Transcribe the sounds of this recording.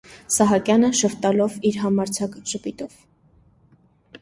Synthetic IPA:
sɑɦɑkjɑnəʃəft̪ɑlɔviɾɦɑmɑɾt͡sʰɑkʒəpit̪ɔv

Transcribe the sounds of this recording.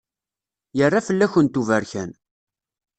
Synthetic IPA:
jərːafəlːæçənt̪uvəɾçæn

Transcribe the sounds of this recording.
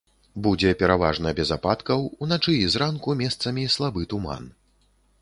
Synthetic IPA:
bud͡zʲɛpʲɛɾava̰ʐnɐbʲɛzapat̪kɐwunat͡ʂɨːzɾankumʲɛst̪sɐmʲislˠabɨt̪uma̰n

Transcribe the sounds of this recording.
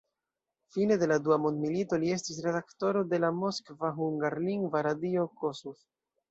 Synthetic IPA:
fine̞de̞laduamo̞ndmilito̞lie̞stis̬ɾe̞dakto̞ɾo̞de̞lamo̞skvaɦuŋɡaɾliŋɡvaɾadio̞kosuf

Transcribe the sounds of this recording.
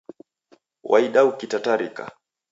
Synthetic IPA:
wʔa̰iɗaukitataɾika̰

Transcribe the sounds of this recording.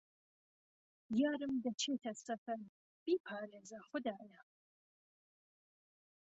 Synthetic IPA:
jaːɾɨmdɐt͡ʃʰeːtʰɐsɐfɐr | b̥iːpʰaːɾeːzɐχʷʊdaːja

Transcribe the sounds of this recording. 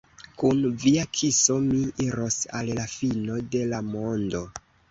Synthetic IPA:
kunviakʰiso̞miiɾo̞sa̰llafino̞de̞lamo̞ndo̞

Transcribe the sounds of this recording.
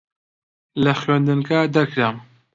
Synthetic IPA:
lɐxɥend̪ɨnkaːd̪ɐɾkʰɾaːm

